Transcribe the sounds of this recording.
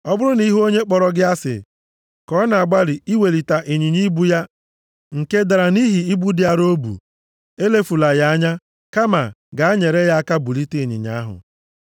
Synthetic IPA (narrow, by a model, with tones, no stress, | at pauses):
ɔ˦bʊ˦ɾʊ˦ni˦ɦo˦ɲe˦k͡pɔ˨ɾɔ˨ɡɪ˦a˦sɪ̰˨ | kɔ˦na˨a˨ɡ͡ba˦lɪ˨i˦we˨li˨ta˨ʔi˨ɲi˨ɲi˦bu˦ja˦ | ŋ̩˨ke˦da˨ɾa˨ni˦ɦi˨i˦bu˦dɪ˦a˨ɾo˦bṵ˨ | e˦le˦fu˨la˨ja˦a˦ɲa˦ | ka˦ma̰˨ɡa˨a˦ɲe˨ɾe˦ja˦a˦ka˦bu˨li˦te˦˨ɲɪ̰˨ɲa̰˨˦a˦ɦʊ̰˨